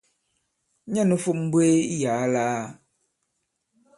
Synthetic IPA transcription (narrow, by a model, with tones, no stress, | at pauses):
ɲã˦nũ˦fu˦m̩˦bwe˦jaː˨˦laː˦